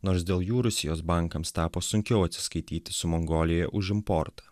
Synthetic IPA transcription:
noːɾsd̪ʲeːlˠjuːɾʊsʲɪjoːsbɑˑŋˑkɐmst̪ɑːpoːsʊŋʲkʲɛʊɐt̪ʲsʲɪ̥skɐɪt̪ʲiːt̪ʲɪsʊmɔŋɡoːlʲijɛʔʊʒɪmpɔɾt̪ɑ̥

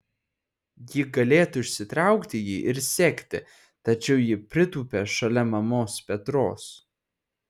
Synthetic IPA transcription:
jɪɡɐlʲeːt̪ʊɪʃʲsʲɪt̪ɾɑˑʊkt̪ʲɪjiːʔɪɾsʲɛkʲt̪ʲɪ | t̪ɐt͡ʃʲɛʊjɪpʲɾʲɪt̪uːpʲeːʃɐlʲɛmɐmoːspʲɛt̪ɾo̰ːs

